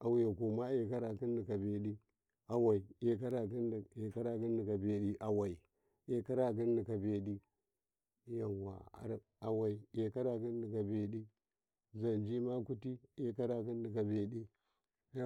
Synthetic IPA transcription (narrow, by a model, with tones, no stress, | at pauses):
a˨wja˨ku˨ma˦e˨ka˦ɾa˨ki˦n˦di˨ka˨be˨ɗi˦ | a˨wa˨i˨e˨ka˦ɾa˨ki˦n˨e˨ka˦ɾa˨ki˦n˦di˨ka˨be˨ɗi˦ʔa˨wa˨i˨ | e˨ka˦ɾa˨k̬i˦n˦di˨ka˨be˨ɗi˦ | ja˨wa̰˨a̰˨ɾ | a˨wa˨i˨e˨ka˦ɾa˨ki˦n˦di˨ka˨be˨ɗi˦ | za˨nd͡ʒi˦ma˦ku˦ti˦e˦ka˦ɾa˨ki˦n˦di˨ka˨be˨ɗi˦